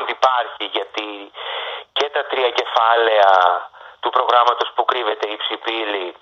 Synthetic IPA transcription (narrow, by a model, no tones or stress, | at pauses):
nd̪ipɐɾçiʝɐt̪i | ce̞t̪ɐt̪ɾiɐce̞fɐle̞ɐt̪upɾo̞ɣɾɐmɐt̪o̞spukɾive̞t̪e̞ipsipili